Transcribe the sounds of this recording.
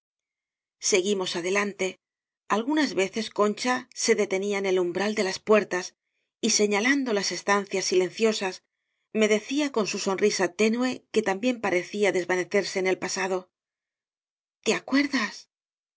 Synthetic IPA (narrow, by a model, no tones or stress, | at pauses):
se̞ɣimo̞saðe̞lant̪e̞ | alɣunazβe̞θe̞sko̞nt͡ʃase̞ðe̞t̪e̞niaene̞lumbɾald̪e̞laspwe̞ɾt̪as | ise̞ɲaland̪o̞lase̞st̪an̟θjasːile̞n̟θjo̞sas | me̞ðe̞θiako̞nsuso̞nrisat̪e̞nue̞ke̞t̪ambje̞mpaɾe̞θiaðe̞zβane̞θe̞ɾse̞ːne̞lpasaðo̞ | t̪e̞akwe̞ɾðas